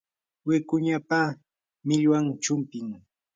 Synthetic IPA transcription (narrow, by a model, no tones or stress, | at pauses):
wɪkʊɲapa | mɪʎwaŋt͡ʃʊmpɪŋ